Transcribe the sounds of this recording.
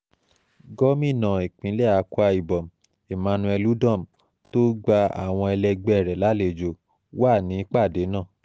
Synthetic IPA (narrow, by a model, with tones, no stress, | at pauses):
ɡɔ˦mĩ˦˨nã˨e˨k͡pĩ˨˦lɛ˦a˨˧˦ku˦a˧i˨bɔ˨m̩˨ | e˨mã˨˦nũ˧ɛ˧lu˨˦dã˦˨m̩˨ | to˦ɡ͡ba˧a̰˨w̃ɔ̃˧ɛ˧lɛ˧ɡ͡bɛ˧˦ɛ˨ɾɛ˨la˨˦le˧˨d͡ʒo˨ | wa˦˨nĩ˨˦k͡pa˦˨de˨˦nã˦˨